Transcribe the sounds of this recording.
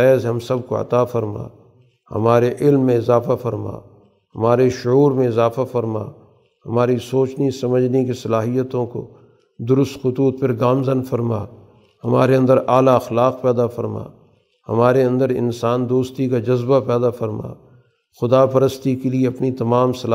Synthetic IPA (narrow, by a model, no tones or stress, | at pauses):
ɛːzɦɐmsɐb̚ko̰ɐ̰t̪aːfɐɾma̰ː | hɐ̰maːɾeʔɪlmːẽɪzaːfafɐɾma̰ː | hɐmaːɾeʃʊuːɾmẽɪzaːfafɐɾma̰ː | hɐmaːɾisoːt͡ʃnisɐməd͡ʒʱnekesɐlaːɦijət̪õko̰ | d̪ʊɾʊst̪xʊt̪uːt̪̚pɐɾɡaːmzənfɐɾma̰ː | hɐma̰ːɾeɐ̃nd̪əɾʔaːlaɐxlaːq̚pɛːd̪afɐɾma̰ː | hɐ̰maːɾeɐ̃nd̪əɾɪ̰nsaːnd̪oːst̪ikad͡ʒɐzbapɛːd̪afɐɾma̰ː | xʊd̪apɐɾəst̪ikelieɐpnit̪ɐmaːmsɐlː